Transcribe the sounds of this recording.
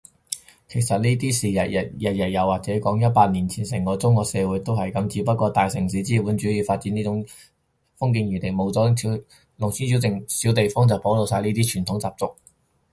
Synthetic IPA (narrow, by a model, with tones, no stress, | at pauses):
kʰe˨˩jsɐ˨t̚niː˥t̪iː˥siː˨jɐ˨˩ɐ˨˩jɐ˨t̚jɐ˨˩t̚jɐ˨˩waː˨k̚t͡sɛː˨˥kɔː˨˥ŋjɐ˥t̚paː˧t̚niː˨˩nt͡sʰiː˨˩nsɛː˨˩ŋkɔː˧t͡sʊ˥ŋkɔː˧ksɛː˧wuː˨˧˥jt̪o˥whɐ˨jkɐ˨˧˥mt͡siː˨˥pɐ˥t̚kʷɔː˧t̪aː˨jsɪ˨˩ŋs̬iː˨˥t͡siː˥puː˨˥nt͡ʃyː˨˥jiː˨˧faː˧t̚t͡siː˨˥niː˥t͡sʊ˨˧˥ŋ | fʊ˥ŋk̬iː˧njy˨˩t̪e˨˩ŋmo˨˧wt͡sɔː˨˥˨i˨˥ | lʊ˨˩ŋsʰiː˥si˨˥wt͡sɪ˨ŋsiː˨˥wt̪e˨jfɔː˥ŋt͡sɐ˨˩wpo˨˥wlo˨˧wsaː˧jniː˥t̪iː˥t͡ʃʰyː˨˩nt̪ʰʊ˨˥ŋt͡saː˨p̚t͡sʊ˥k̚